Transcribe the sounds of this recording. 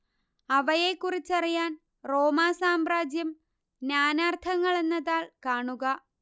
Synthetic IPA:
ɐʋɐje̞kːurit͡ɕːɐrijaːn | ro̞ːmaːsaːmraːd͡ʑjɐm | naːnaːrt̪ʰɐŋːɐɭe̞nːɐðaːɭkaːɳuɣɐ

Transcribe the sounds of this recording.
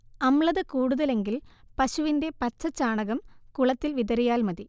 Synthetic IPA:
ɐmɭɐðɨkuːɽuðɐle̞ŋɡilpɐɕuʋinde̞pɐt͡ɕːɐt͡ɕaːɳɐɣɐmkuɭɐt̪ːilʋiðɐɾijaːlmɐði

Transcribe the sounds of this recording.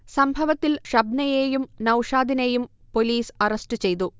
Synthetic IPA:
sɐmbʱɐʋɐt̪ːilʂɐbnɐjeːjumnɐwʂaːd̪ine̞jum | po̞liːsɐrɐstɨt͡ɕe̞jt̪u

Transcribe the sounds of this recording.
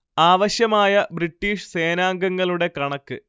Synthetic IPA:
aːʋɐɕjɐmaːjɐbɾiʈːiːʂse̞ːnaːŋɡɐŋːɐɭuɽe̞kɐɳɐkːɨ

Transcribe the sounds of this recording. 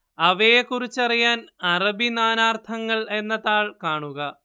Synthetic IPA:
ɐʋejekːurit͡ɕːɐrijaːnɐrɐbinaːnaːrt̪ʰɐŋːɐɭe̞nːɐðaːɭkaːɳuɣɐ

